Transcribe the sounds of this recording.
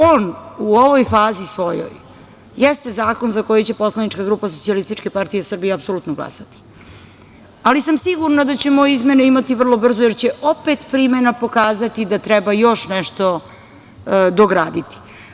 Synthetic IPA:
oːnuo̞ʋo̞jfaːzisʋo̞jo̰j | jɛst̪e̞zaːko̞nzako̞jet͡ɕe̞po̞slˠanit͡ʃkaɡɾuːpas̬ot̪sialist̪it͡ʃke̞paɾt̪ijesr̩bijeapsoluːt̪noɡlˠa̰sat̪i̥ | alisamsiɡuɾnad̪at͡ɕe̞mojizmenuimat̪ivr̩lˠo̞br̩zojet͡ɕeʔopet̪pɾimenapo̞kaːzat̪id̪at̪ɾɛbajo̞ʃnɛʃt̪o̞ | d̪oɡɾaːd̪it̪i̥

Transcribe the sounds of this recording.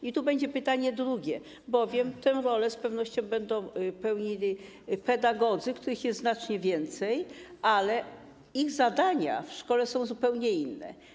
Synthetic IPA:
it̪ubɛɲd͡ʑɛpɘt̪aɲɛd̪ɾuɡʲɛ | bɔvʲjɛmt̪ɛw̃ɾɔlɛspɛvnɔɕt͡ɕɔ̃w̃bɛnd̪ɔ̃w̃pɛwɲilʲi | pɛd̪aɡɔd̪zɘkt̪uɾɘxjɛsznat͡ʂɲɛvʲjɛnt̪sɛjalɛ | iɣzad̪aɲa̰fʂkɔlɛsɔ̃w̃zupɛwɲɛinːɛ̰

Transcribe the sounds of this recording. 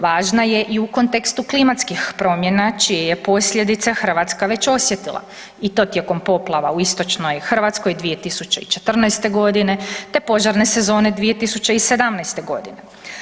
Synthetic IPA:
ʋaːʒnaje̞ʔiuko̞nt̪e̞kst̪uklimat̪skixpɾo̞mje̞nat͡ʃijeje̞po̞sʎʲe̞d̪it̪sexr̩ʋat̪skaʋe̞t͡ɕo̞sje̞t̪ilˠa̰ | it̪o̞t̪je̞ko̞mpo̞plˠaʋauist̪o̞t͡ʃno̞jxr̩ʋat̪sko̞jd̪ʋije̞t̪isut͡ɕe̞it͡ʃe̞t̪r̩najst̪e̞ɡo̞d̪ine̞t̪e̞po̞ʒaɾne̞se̞zo̞ːne̞d̪ʋije̞t̪isut͡ɕeise̞d̪amnajst̪e̞ɡo̞d̪ḭne̞

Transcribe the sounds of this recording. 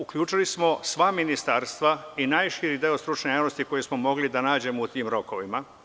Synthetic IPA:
ukʎuːt͡ʃilismo̞sʋaːminist̪aɾst̪ʋainaːjʃiɾid̪eost̪ɾut͡ʃnejaːʋno̞st̪iko̞jesmomo̞ɡlid̪anaːd͡ʑe̞mout̪iːmɾo̞ko̞ʋima

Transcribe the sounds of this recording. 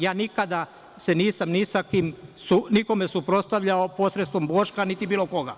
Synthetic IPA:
jaːnikad̪a | seniːsamnisakimsuniko̞me̞supɾo̞st̪aʋʎaopo̞sɾet̪st̪ʋo̞mbo̞ːʃkanit̪ibiːlo̞ko̞ɡa̰

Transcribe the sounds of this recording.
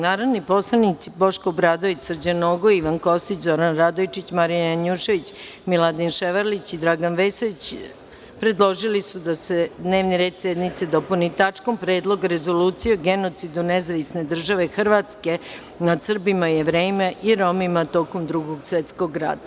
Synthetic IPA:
naːɾoʋnipo̞slˠanit̪sibo̞ʃkobɾad̪oit͡ɕsrd͡ʑanoːɡoiʋanko̞st̪it͡ɕzoɾanɾad̪ojt͡ʃit͡ɕmaɾijajaɲuːʃe̞ʋit͡ɕ | milˠad̪inʃeʋaɾlit͡ɕid̪ɾaːɡanʋesoit͡ɕ | pɾe̞d̪lˠo̞ʒilisud̪ased̪ne̞ːʋniɾe̞ːd̪sed̪nit̪sed̪o̞punit̪at͡ʂkompɾeːd̪lˠo̞ɡɾe̞zo̞luːt̪sijoɡenot̪sid̪unezaʋisne̞d̪r̩ʒaʋe̞xr̩ʋat̪ske̞ | nad̪sr̩bimajeʋɾeːimeʔiɾo̞mimat̪o̞ːkomd̪ɾuɡoɡsʋet̪sko̞ɡɾa̰ːd̪a

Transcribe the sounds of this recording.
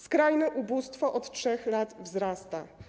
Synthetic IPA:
skɾajnɛʔubust̪fɔʔɔt̪tʂɛxlat̪vzɾast̪a

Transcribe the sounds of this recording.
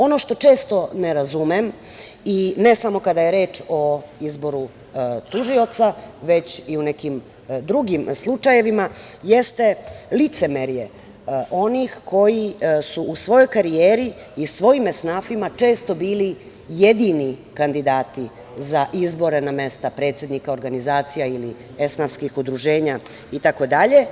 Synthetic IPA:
o̞no̞ʃt̪o̞t͡ʃe̞ːst̪o̞neɾazumem | ine̞samo̞kad̪ajeɾe̞ːt͡ʃo̞izbo̞ɾu | t̪uʒio̞t̪saʋe̞t͡ɕiune̞kim | d̪ɾuɡimslˠut͡ʃaje̞ʋimaje̞st̪e̞lit̪se̞meɾje | ʔo̞nixko̞jisuʔusʋo̞jo̞jkaɾijeːɾiː | sʋo̞jimesnaːfimat͡ʂe̞ːst̪o̞biːli | je̞d̪inikand̪id̪aːt̪i | zaʔizbo̞ɾe̞name̞st̪apɾe̞ːt̪sjed̪nikao̞ɾɡanizaːt̪sijaili | esnafskixud̪ɾuʒe̞ːɲa | it̪ako̞d̪aʎe̞

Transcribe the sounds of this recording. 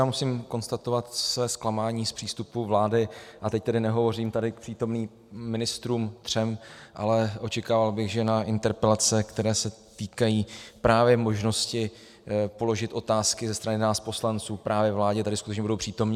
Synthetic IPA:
jaːmusimko̞nst̪at̪o̞vat̪svɛːsklamaːɲiːspr̝̥iːst̪upuvlaːdɪʔat̪ɛct̪ɛdɪnɛɦo̞vo̞riːmt̪adɪk̚pr̥iːt̪o̞mniː | ɪnɪst̪ɾuːmt̪r̥ɛmʔa̰lɛʔo̞t͡ʃɛkaːvalbɪɣʒɛnaʔɪnt̪ɛɾpɛlat͡sɛkt̪ɛɾɛːsɛt̪iːkajiːpɾaːvjɛmo̞ʒno̞scɪ | po̞lo̞ʒɪt̪ʔo̞t̪aːskɪzɛst̪ɾanɪnaːspo̞slant͡suːpɾʔaːvjɛvlaːɟɛt̪adɪskut̪ɛt͡ʃɲɛbudowpr̥iːt̪o̞mɲ

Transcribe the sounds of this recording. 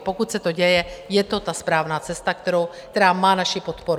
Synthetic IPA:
po̞kut̪sɛt̪o̞ɟɛjɛjɛt̪o̞t̪aspɾaːvnaːt͡sɛst̪akt̪ɛɾowkt̪ɛɾaːmaːnaʃɪpo̞t̪po̞ɾu

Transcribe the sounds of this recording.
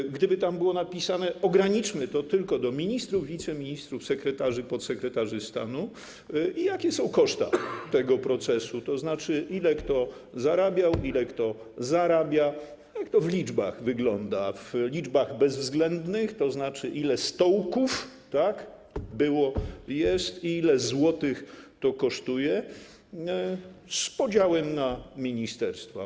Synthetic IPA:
ɡd̪ɘbɘt̪ambɘwɔnapʲisanɛɔɡɾaɲit͡ʂmɘt̪ɔt̪ɘlkɔd̪ɔmʲiɲist̪ɾuvːʲit̪sɛmʲiɲist̪ɾufsɛkɾɛt̪aʐɘpɔt̪sɛkɾɛt̪aʐɘst̪a̰nu | ijakʲɛsɔ̃w̃kɔʂt̪a̰t̪ɛɡɔpɾɔt̪sɛsut̪ɔznat͡ʂɘʔilɛkt̪ɔ | zaɾabʲjawʔilɛkt̪ɔ | zaɾabʲja | jakt̪ɔvlʲid͡ʐba̰ɣvɘɡlɔnd̪avlʲid͡ʐbaɣbɛzvzɡlɛnd̪nɘxt̪ɔznat͡ʂɘʔilɛst̪ɔwkuf | t̪ak | bɘwɔjɛst̪iilɛzwɔt̪ɘxt̪ɔkɔʂt̪ujɛ | spɔd͡ʑawɛmnamʲiɲist̪ɛɾst̪fa

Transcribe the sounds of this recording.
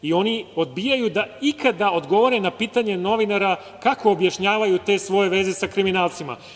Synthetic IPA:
io̞nio̞d̪bijajud̪aikad̪ao̞d̪ɡo̞ʋo̞ɾenapiːt̪aɲe̞no̞ʋinaɾa | kako̞ːbjaʃɲaːʋajut̪e̞sʋo̞jeʋe̞ze̞sakɾiminaːlˠt̪sima̰

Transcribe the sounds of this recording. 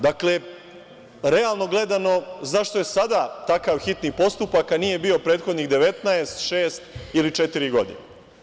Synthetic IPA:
d̪akle̞ | ɾealˠno̞ɡle̞d̪ano̞zaʃt̪oje̞sad̪at̪akaːʋxit̪nipo̞st̪upakːanije̞bio̞pɾe̞ːt̪xo̞d̪niɣd̪e̞ʋe̞t̪naest̪ʃeːst̪ilit͡ʃet̪iɾiɡo̞d̪ḭne

